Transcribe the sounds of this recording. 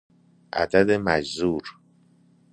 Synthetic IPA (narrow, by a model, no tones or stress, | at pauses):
ʔæ̰d̪æd̪emæd͡ʒzuːɾ